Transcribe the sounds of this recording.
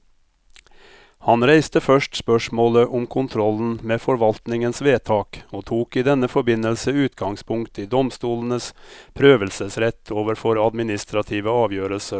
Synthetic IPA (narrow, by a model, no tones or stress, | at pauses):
hɑnɾæɪst̪əfœʂʈspœʂmoːləʔʊmkʰʊnt̪ʰɾɔln̩meːfɔɾʋɑlt̪nɪŋənsʋeːt̪ʰɑːkoːt̪ʰuːkiːd̪ɛnəfɔbɪnəlsəʉːt̪ɡɑŋspʰʊŋkt̪iːd̪ɔmst̪uːln̩əspʰɾøːʋəlsəsɾɛt̪ʰoːʋəɾfɔɾɑd̪mɪnɪst̪ɾɑt̪ʰiːʋəɑːʋjøːɾəlsə